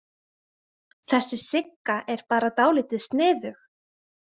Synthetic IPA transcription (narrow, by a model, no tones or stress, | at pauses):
θɛsːɪsɪkːaʔɛɾ̥paːɾat̪aːwliːt̪ɪðst̪nɪːðʏx